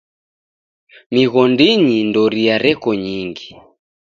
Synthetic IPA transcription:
miɣɔndiɲindɔɾiaɾɛkɔɲiŋɡi

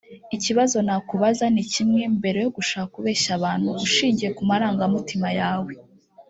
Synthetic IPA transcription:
iciβazo̞nakuβazanicimŋe̞mbe̞ɾe̞joɡuʃaːkakuβe̞ːʃaβaːnhuuʃiːɲɟije̞kumaɾaːŋɡamitimajaːwe̞

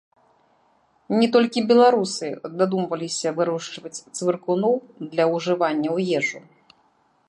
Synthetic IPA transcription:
nʲɛt̪ɔlʲkʲibʲɛlˠaɾusɨd̪ad̪umvɐlʲisʲɐvɨɾuʂt͡ʂvɐt͡sʲt̪svɨrkunɔwd̪lʲɐwʐɨvanʲːɐwjɛʐu

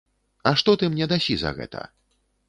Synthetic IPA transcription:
ɐʂt̪ɔt̪ɨmnʲɛd̪asʲizɐ̰ɣɛ̰t̪ʰɐ̰

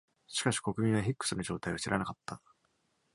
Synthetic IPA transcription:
ɕi̥kaɕi̥ko̞kɯ̟mʲĩɰ̃βaçikːɯ̥sɨnoʑo̞ːt̪aiβaɕiɾʔa̰nakat̪ːa

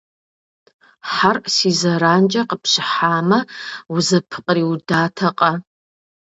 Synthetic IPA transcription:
ħarʔsizɐɾaːnt͡ʃʼɐqəpʰɕɪħaːmɐuzɐpʰɨ̥qʼriwdaːtʰɐqʼɐ

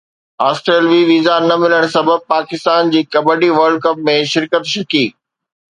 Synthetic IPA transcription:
aːsʈɾeːlʋiʋiːzanɐmɪləɽ̃sɐbəb̚paːkɪst̪aːnd͡ʑiːkɐbəɖiʋɐɾɖ̚kɐp̚mẽʃɪɾkət̪ʃɐkiː

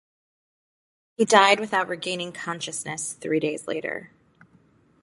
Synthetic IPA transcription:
hidaɪd̚wɨθaʊt̚ɹiɡẽɪ̃nɪ̃ŋkʰɑ̃nʃɨsnɨsθɹiɾeɪzlḛɪɾə̰˞

